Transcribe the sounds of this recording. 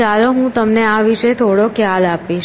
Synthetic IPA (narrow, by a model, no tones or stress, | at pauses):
aloɦũt̪əmneaʋiʃet̪ʰoɽokʰjalapiʃ